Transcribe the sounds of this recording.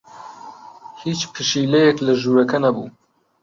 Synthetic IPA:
hiːt͡ʃpʰɨʃiːlɛjɛklɐʒuːɾɐkɐnɐbṵː

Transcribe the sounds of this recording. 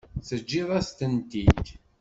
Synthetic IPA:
θəd͡ʒːiðˤæst̪ənt̪it̪

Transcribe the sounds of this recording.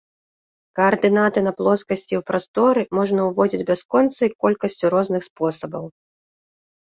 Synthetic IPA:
kɐɐrd̪ɨnat̪ɨnɐplˠɔskɐsʲt͡sʲiwpɾast̪ɔɾɨmɔʐnɐuvɔd͡zʲid͡zʲbʲaskɔnt̪sɐikɔlʲkɐsʲt͡sʲuɾɔznɨxspɔsɐbɐw

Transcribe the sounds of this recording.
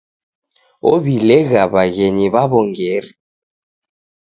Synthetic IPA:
o̰βilɛɣaβaɣeɲiβaβɔŋɡɛri

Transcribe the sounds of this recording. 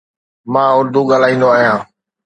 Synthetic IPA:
mãːʊɾd̪uɠaːl̤aːĩːnd̪oaːɦijãː

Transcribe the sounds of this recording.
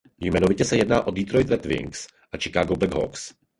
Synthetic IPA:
jmɛnovɪcɛsɛjɛdnaːʔodit̪ɾojt̪ɾɛt̪vɪ̰ŋks | ʔat͡ʃɛ̥kaːɡobɛɡɦo̰ks

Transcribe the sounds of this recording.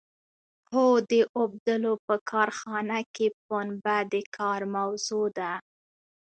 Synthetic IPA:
hod̪əʔob̚d̪əlopəkʰɑɾxɑnakep̚onbad̪əkʰɑɾmawzod̪a

